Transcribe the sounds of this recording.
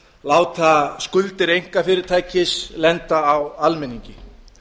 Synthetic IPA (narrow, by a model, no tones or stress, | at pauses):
laːwt̪ʰaskʏlt̪ɪɾejŋ̥kafɪːɾɪɾ̥t̪ʰaːjcɪslɛnt̪aːwalmɛniɲcɪ